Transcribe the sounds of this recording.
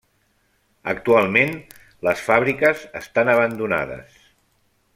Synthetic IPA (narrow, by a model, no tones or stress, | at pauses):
ə̰k̚t̪ualˠmen | ləsfaβɾikəzəst̪anəβ̞ənd̪una̰ðə̰s